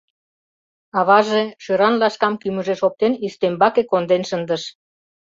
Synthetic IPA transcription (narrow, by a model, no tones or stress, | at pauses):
ɑβɑʒeʃøɾɑnlɑʃkɑmkymə̆ʒeʃop̚t̪enist̪embɑkekond̪enʃənd̪əʃ